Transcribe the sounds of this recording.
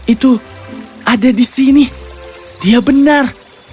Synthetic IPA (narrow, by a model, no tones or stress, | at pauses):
it̪u | ʔadadisini | diabənar